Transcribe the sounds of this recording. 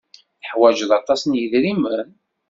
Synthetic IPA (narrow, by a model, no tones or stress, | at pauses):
θəħwæd͡ʒðɑt̪ˤɑsənjəðɾimən